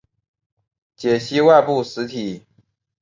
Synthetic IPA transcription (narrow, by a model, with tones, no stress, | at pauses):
t͡ɕjɛ˨˩ɕi˥wa˥˧ɪpu˥˩ʂɻ̩˧˥t̪ʰi˨˩˦